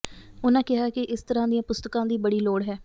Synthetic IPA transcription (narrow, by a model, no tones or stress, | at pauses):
ʊnãːkɪɦaːkɪʔɪst̪əɾãːd̪ɪjãːpʊst̪əkãːd̪iːbəɽiːloːɽɦɛː